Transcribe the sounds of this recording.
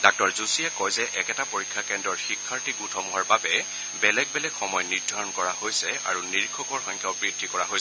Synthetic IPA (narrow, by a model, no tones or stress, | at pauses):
dak̚tɔɹzusiɛkɔjzɛʔɛkɛtapoɹikʰːakɛndɹɔɹxikʰːaɹtiɡutʰɔmuɦɔɹbabɛ | bɛlɛɡ̚bɛlɛɡxɔmɔjniɹdʱaɹɔnkɔɹahojsɛa̰ɹuniɹikʰɔkɔɹxɔjŋkʰjawbɹidʱːikɔɹaɦojsɛ